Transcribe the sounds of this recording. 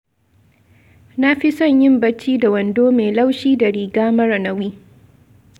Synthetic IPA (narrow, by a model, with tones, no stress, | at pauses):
na˦ɸi˦sɐ˦˨ɲjɪ˦mbɐ˦t͡ʃːiː˦da˨wɐ˨ndoː˦meː˨la˦wʃiː˦da˨ɽiː˨ɡaː˦mɐ˦ɾɐ˨nɐ˦wiː˦